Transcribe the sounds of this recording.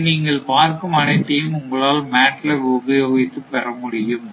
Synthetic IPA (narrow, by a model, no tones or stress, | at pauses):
niːŋɡɐɭpaːɾkɯmɐnɐɪt̪ːejɯmʊŋɡɐɭaːlmaːʈlɐoɣɐjoːɣɪt̪ːɯpːɐɾɐmʊɽɪjɯm